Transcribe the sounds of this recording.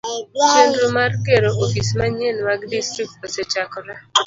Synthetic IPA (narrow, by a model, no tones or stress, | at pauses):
t͡ʃenɾomarkeɾoʔofismaɲenmaɡdistɾik̚toset͡ʃakɔɾa